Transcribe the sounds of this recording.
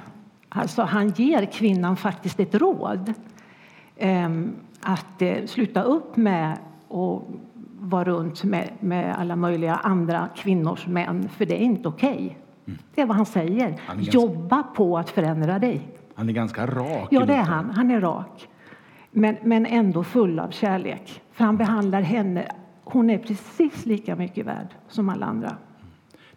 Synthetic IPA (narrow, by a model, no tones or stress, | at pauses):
ʔa̰lt̪sɔɦanjeːɾkʰvɪnːanfak̚t̪ɪst̪ɛt̪ɾo̰ːd̪ | ʔat̪slʉ̟ːt̪ːaɵpːmɛ | ɔ | vɑːɾɵnt̪mɛ̰mɛ̰a̰lːamœjlɪɡa̰ʔand̪ɾa̰kʰvɪnːʊ̰ʂmɛ̰nːfœɖɛæɾɪnt̪əʊkʰɛj | d̪̥ɛːɾvaɦansɛjːəɾjɔbːapʰɔat̪fœɾɛnd̪ɾad̪ɛjhanɛɡanskaɾɑːjɑːd̪ɛæɾɦanɦanæɾɑ̰ːk | mɛnmɛnɛnd̪ofɵlːa̰vɕæːɭḛːkfœɾhanbɛɦand̪laɾɦɛnːə̰ | hʊnæɾpʰɾɛsiːsliːkamʏkːəvæ̰ːɖsɔma̰lːa̰a̰nd̪ɾa̰